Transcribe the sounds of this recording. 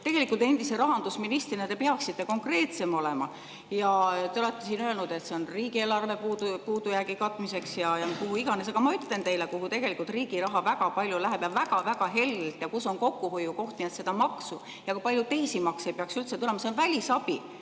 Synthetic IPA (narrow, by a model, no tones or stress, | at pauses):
t̪e̞ɡe̞likːˑult̪ˑe̞nd̪̥ise̞ɾɑɦɑnd̪usminist̪rinet̪e̞peɑksit̪ːe̞ko̞ŋkre̞ːt̪se̞mole̞mɑ̰ | jɑt̪e̞o̞le̞t̪ːe̞siːnølnud̪̥e̞t̪se̞o̞nriːɡie̞ːlɑrve̞puːpuːd̪ujæɡ̥ikɑt̪ːˑmise̞ksjɑjɑnkuhuiɡ̥ɑne̞s̬ɑɡ̥ɑmɑyt̪ˑle̞nt̪e̞jlekuhut̪eɡ̥e̞likːˑult̪riːɡ̥iɾɑɦɑvæɡ̥ɑpɑlʲjulæɦepjɑbvæɡ̥ɑvæɡ̥ɑɦe̞llt̪ˑjɑkuso̞nko̞kːuɦo̞jːuko̞ht̪niɑt̪se̞d̪ɑmɑksu | jɑkujpɑlʲjut̪e̞jsimɑksejpeɑksylt̪se̞t̪ule̞mɑse̞o̞nvælʲisɑb̥i